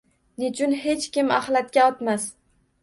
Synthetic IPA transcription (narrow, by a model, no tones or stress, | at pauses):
nɪt͡ʃʰʊnɦe̞t͡ʃkʲɪma̰hlˠat̪̚kʲaɒt̪mas